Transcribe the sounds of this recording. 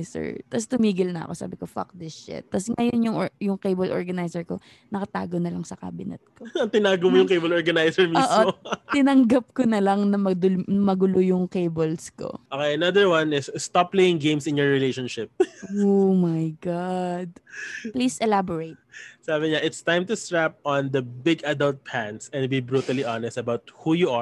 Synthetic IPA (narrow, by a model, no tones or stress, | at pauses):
sɛ̰ɹt̪ɐst̪ʊmiːɡɪlnɐʔɐ̰ko̞sa̰ːbɪko̞fɐ̰k̚d̪ɛʃɛ̰t̪̚ːɐsŋɐjonjʊŋʔjʊŋkejbɐlʔo̰ɹɡɐnajsɛɹko̞ | nɐkɐt̪a̰ːɡonɐlɐŋsɐka̰ːbɪnɐ̰t̪̚koɐŋt̪ɪnaːɡʊmojʊŋkejbɐloɹɡɐnajsɛɹmioːʔoot̪ɪnɐŋɡɐp̚konɐlɐŋnɐmɐd̪ʊmɐɡʊlojʊŋkejbɐlsko̰ʔokejɐnɐd̪əɹwɐnɪsːt̪aplejɪ̃ŋɡẽjmsɪnjɔɹɹɪlejʃɔnʃɪp̚omɐjɡad̪̚plisʔɛlaboɹet̪̚saːbɪɲaʔɪt̪st̪ãjmt̪ʊst̪ɹap̚ɔnd̪ɐbɪɡɐd̪ɐlt̪̚pʰæ̃nsɛ̃n̚bibɹut̪ɐliʔanɛst̪ɐbawt̪̚huːjuʔa